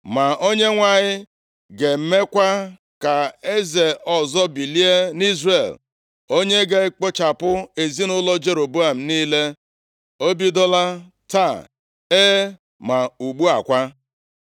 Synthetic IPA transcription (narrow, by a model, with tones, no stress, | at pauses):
ma˨o˦ɲe˦ŋʷa˨ɲɪ˦ | ɡe˨m̩˦me˦kʷa˦ | ka˨e˦ze˨ɔ˨zɔ˦bi˨li˦e˦ni˦zre˨l | o˦ɲe˦ɡe˨˦k͡po˦t͡ʃa˨pʊ˦e˨zi˦nʊ˦lɔ˦d͡ʒe˨ɾo˨bu˦a˨m̩˨niː˦le˦ | o˦bi˦dɔ˦la˦ | ta˦˨ | e˦ | ma˨u˨ɡ͡bu˦a̰˨kʷa˦